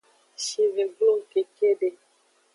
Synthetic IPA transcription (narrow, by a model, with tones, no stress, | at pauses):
ʃi˨ve˨ɡlo˦˨ke˨ke˦ɖe˨